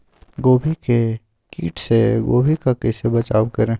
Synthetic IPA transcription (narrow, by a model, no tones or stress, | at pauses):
ɡoːbʱike | kḭːʈseɡoːbʱikakeːsebɐt͡ʃaːʋkəɾẽː